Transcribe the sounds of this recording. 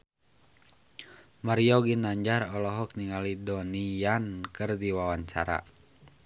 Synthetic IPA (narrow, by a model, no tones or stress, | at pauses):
maɾiɔɡinaɲd͡ʒaɾɔlɔɦɔk̚niŋalidɔnijankɨrdiwawaɲt͡ʃa̰ɾa̰